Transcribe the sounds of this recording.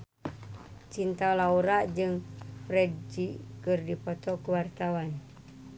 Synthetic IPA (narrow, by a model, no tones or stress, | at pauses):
t͡ʃint̪alauɾaʔd͡ʒɨŋpɾɛd̚d͡ʒikɨrdipɔt̪ɔkuwart̪awan